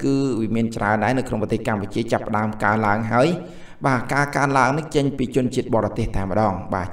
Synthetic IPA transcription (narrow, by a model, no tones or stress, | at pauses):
kɨːʋiəmiənt͡ɕraənɗaɛnɨwkʰnoŋprɑt̪eːhkamput͡ɕiət͡ɕapːə̆ɗaəmkaənlaəŋɦaəj | ɓaːkaːkaənlaəŋnɨŋt͡ɕəɲpiːt͡ɕʊ̆ənt͡ɕiət̪̚ɓɑːɾɑt̪eəht̪aɛmə̆ɗɑːŋɓaː